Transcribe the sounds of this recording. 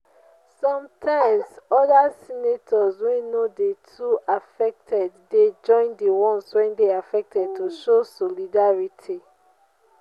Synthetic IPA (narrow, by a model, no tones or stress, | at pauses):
sɔ̃mtʰãɪ̃msɔdasinetʰɔzwɛ̃nːodetʰuʔafɛk̚tʰɛdded͡ʒɔ̃ɪ̃ndiwɔ̃nswɛ̃ndeafɛk̚tʰɛd̚tʰuʃosɔlidaɹitʰi